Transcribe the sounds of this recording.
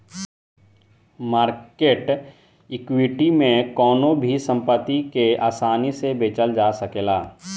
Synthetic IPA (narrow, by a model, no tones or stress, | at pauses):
maːɾkeːʈ | ɪkwɪʈimẽkɔːnõbʱisə̃mpət̪ːikeaːsaːnisebeːt͡ʃəld͡ʒaːsəkeːlaː